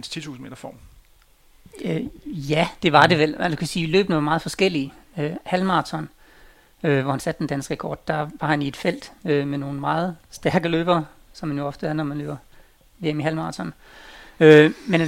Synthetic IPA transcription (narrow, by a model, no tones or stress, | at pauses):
enst͡sʰit͡sʰṵːs̩n̩mḛːd̥ɐfɒ̰ːm | øjæd̥e̝ʋɑ̈d̥e̝ʋelæ̥ukʰæsiːilø̰ːb̥nəʋɑmɑ̈ːð̩ˠfɒ̽sɡ̥el̰iøhælmɑ̈ːt͡sʰɒn | øʋɒhænsæd̥̚ːend̥ænsɡ̥ʁəkʰɒ̰ːd̥ːɑʋɑ̈hænied̥fel̰d̥ømeno̝ːn̩mɑ̈ːð̞̩ˠsd̥æɐɡ̥əlø̰ːb̥ɐsɒmhænjo̝ɒ̽fd̥əæɐnɒmænlø̰ːb̥ɐ | ʋe̝emiɦælmɑ̈ːt͡sʰɒn | ømen